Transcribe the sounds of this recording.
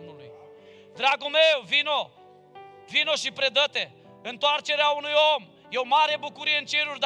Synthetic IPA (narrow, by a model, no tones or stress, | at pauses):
mulḭ | d̪ɾaɡumewvino | vinoʃipɾed̪ɐt̪e | ẽnt̪waɾt͡ʃeɾaunujom | ewmaɾebukuɾiẽnt͡ʃeɾuʒd̪